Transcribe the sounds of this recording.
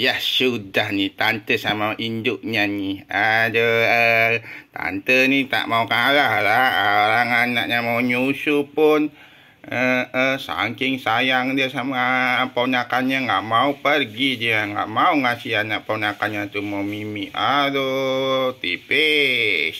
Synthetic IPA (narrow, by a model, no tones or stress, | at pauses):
jahsudahnit̪ant̪əsamaʔindʊʔɲaniadəət̪a̰nt̪ənit̪a̰ʔmaukaɾahɾaaɾaŋanaʔ̚ɲamauɲusupʊn | əəsa̰ŋkɪŋsajaŋdiasamapoɲakanɲaŋɡaʔmaupərɡidiaŋɡa̰ʔmauŋasianaʔponakanɲat̪umaumimiadot̪ḭpe